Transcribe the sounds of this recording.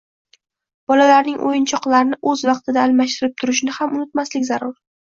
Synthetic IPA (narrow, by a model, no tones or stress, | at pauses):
b̥ɒlalaɾnɪŋʔo̰jɪnt͡ʃʰɒqlˠaɾɪnɪʔɵzvɑqt̪ʰɪd̪aːlmaʃt̪ɪɾɪp̚t̪ʰʊɾɪʃnɪhamʔʊnɪt̪maslɪkʲzaɾʊɾ